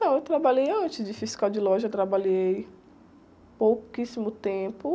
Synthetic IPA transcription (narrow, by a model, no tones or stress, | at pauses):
t̪ɐ̃w̃ewt̪ɾabaʎejɐ̃nt͡ʃɪzd͡ʒɪfiskawd͡ʒɪlɔʒɐet̪ɾabaʎej | powkisimʊt̪ẽpʊ